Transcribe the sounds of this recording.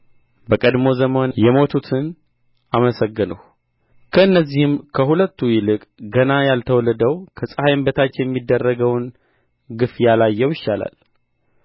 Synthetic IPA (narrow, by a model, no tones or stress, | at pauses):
bəkʼəd̪mo̞zəmonjɛmo̞t̪ʰut̪ʰɨn | ʔaməsəɡːɨnə̰w | kʰəɨnːəzːihɪmkʰəhulət̪ːujɪlɨkʼɡənajalt̪ʰəwɔləd̪əwkʰəsʼəhajmbət̪ʰat͡ʃːjɛmːid̪ːərːəɡəwn | ɡɨfjalajːɛwjɪʃːala̰l